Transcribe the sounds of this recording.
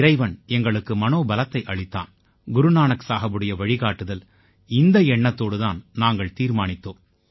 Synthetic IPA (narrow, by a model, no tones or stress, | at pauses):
ɪɾɐɪʋɐnɛŋɡɐɭɯkːɯmɐnoːbɐlɐt̪ːɐɪʔɐɭɪt̪ːa̰ːn | ɡʊɾɯnaːɳɐksaːɣɐbɯɽɐjɐʋɐɻɪɣaːʈːɯðɐl | ɪnd̪ɐɛɳːɐt̪ːoːɽɯðaːnnaːŋɡɐɭt̪iːɾmaːnɪt̪ːoːm